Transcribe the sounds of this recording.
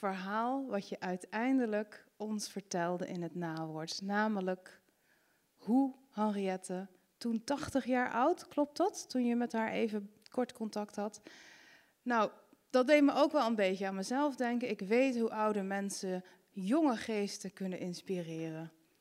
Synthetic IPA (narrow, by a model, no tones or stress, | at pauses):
fəɹɦaːlˠʋɑcjəʔœɥtɛjndələkɔnsfəɹtɛlˠdəʔɪnɦətnaːʋɔɹtnaːmələk | ɦuhɑnriɛtə | tuntɑχtəχjaːɹʔʌwtklɔp̚tɑttunjəmɛtɦaːɹʔḛjvəkɔɹtkɔntɑktɦɑt | naw | d̥ɑd̚dejtməʔowkʋɛlˠənbejtəaːnməzɛlˠfdɛŋkəɪkʋejtɦuʔʌwdəmɛnsə | jɔŋəχejstəkɵnənʔɪnspirɪːrən